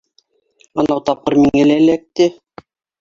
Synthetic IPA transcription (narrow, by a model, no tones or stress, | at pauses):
ɑnɑwt̪ɑp̚qɤ̆ɾmiŋælælæk̚t̪ɘ